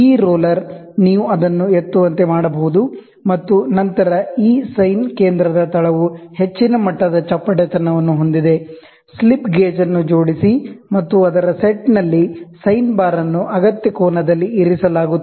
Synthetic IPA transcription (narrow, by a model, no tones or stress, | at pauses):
iːɾoːlɐɾ | niːʋuɐd̪ɐnːuet̪ːuʋɐnt̪e̞maːɽɐbɐɦud̪u | mɐt̪ːunɐnt̪ɐɾɐiːsɐjnke̞ːnd̪ɾɐd̪ɐt̪ʰɐɭɐʋuhe̞t͡ʃːinɐmɐʈːɐd̪ɐt͡ʃɐpːɐʈet̪ɐnːɐʋɐnːuɦo̞nd̪id̪e̞ | slipɡeːd͡ʒɐnːud͡ʒo̞ːɽisimɐt̪ːuɐd̪ɐɾɐseʈnɐlːisɐjnbaːɾɐnːuʔɐɡɐt̪jɐkɔːɳɐd̪ɐlːiːɾisɐlaːɡu